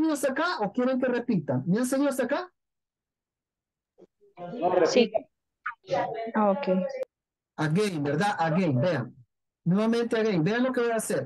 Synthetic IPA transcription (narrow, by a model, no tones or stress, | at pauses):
iosakaʔokjeɾeŋk̬erepit̪aŋmeanseɲiosaka | orsi | aokej | aɣejbeɾðaʔaɣejbeaŋ | nweβamẽnt̪eaɣejbeaŋlokeβajaseɾ